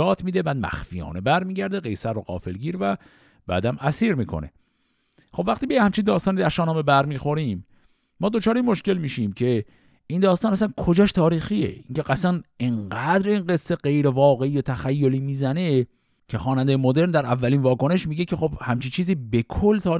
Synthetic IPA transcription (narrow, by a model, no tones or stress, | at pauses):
ɒːt̪ʰmiːd̪ebæːd̪̚mæ̰xfijɒ̰ːnebæɾmiːɟæɾd̪eɣḛjsæɾːoɢɒ̰ːfelɟiːɾvæ | b̥æ̰ːd̪æmæsiːɾmiːkʰo̞̰ne̞̰ | χo̞bvæxt̪iːbejhæmt͡ʃʰind̪ɒːst̪ɒːnid̪æʃɒːnɑːmebæɾmiːxo̞ɾiːmː | ɒːd̪o̞t͡ʃʰɒːɾeinmo̞ʃke̞lmiːʃiːmcʰe̞ | ind̪ɒːst̪ɒːnæsænkʰo̞d͡ʒɒːʃt̪ʰɒːɾiːxiːḛiŋcʰe̞ʔæsænʔeɴɢæd̪ɾinɢe̞sːe̞ɢe̞jɾevɒːɣe̞iːjot̪ʰæxæjːoliːmiːzæne̞ | cʰexɒːnænd̪ejemo̞d̪e̞ɾnd̪æɾævːæliːnvɒːko̞ne̞ʃmiːɟecʰe̞xo̞b̥hæmt͡ʃʰint͡ʃʰiːziːbekʰolːt̪ʰɒːɾ